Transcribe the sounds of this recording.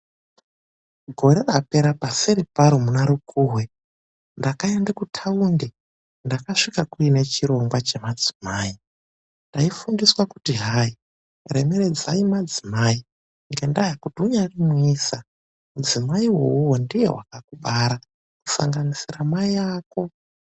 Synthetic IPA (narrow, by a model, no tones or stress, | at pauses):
ɡʱo̞ɾe̞rape̞ɾapasiɾepaɾomunaɾukʰuːwe | ndakaendakutʰaunde | ndakaʂikakuine̞t͡ʃiɾo̞ŋɡwat͡ʃe̞mad͡zi̥maːi | ndaifundiswaku̥tiɦai | re̞me̞ɾe̞d͡zaimad͡zimai | ŋɡe̞ndajakutuɲarimuiːsa | mud͡zimaiwouwondije̞̰wa̰kakubʱaɾa | ku̥sa̰ŋɡanisiramaiaːko̞